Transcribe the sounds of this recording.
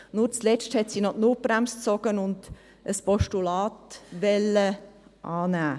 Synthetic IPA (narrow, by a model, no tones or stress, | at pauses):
nuːɾt͡slɛt͡ʃthɛt̪siːnɔtnub̥ɾæmst͡sɔɡ̥ənʊnd̪ | əspʰɔʃtulɑːt̪ʋɛləʔɑːnæː